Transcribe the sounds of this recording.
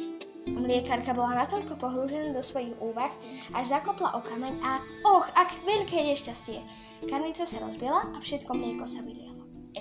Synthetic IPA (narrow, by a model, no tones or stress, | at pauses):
mʎɪɛkaɾkabɔlanat̪ɔʎkɔpɔɦɾuʒɛnad̪ɔsʋɔjiɣuːʋax | ʔaʒzakɔpla̰ʔɔkamɛɲa | ɔxaɡʋɛʎkɛːjɛʃcascɪɛ | kamlit͡sɔsaɾɔzbɪɛlaafʃɛt̪kɔmlɪɛkɔsaʋilɪalɔ